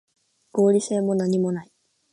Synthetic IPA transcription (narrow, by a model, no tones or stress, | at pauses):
ɡ̥o̞ːɾʲise̞ːmo̞naɲ̟imo̞nai